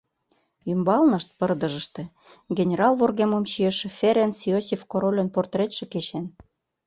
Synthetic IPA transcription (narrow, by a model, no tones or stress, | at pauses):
ymbɑlnɤʃt̪̚pə̆rd̪ɤ̆ʒə̆ʃt̪ĕ | ɡʲenʲeɾɑlvorɣemomɕieʃĕfʲeɾensiosʲifkoɾolʲə̆nport̪ret̪ʃĕket͡ɕen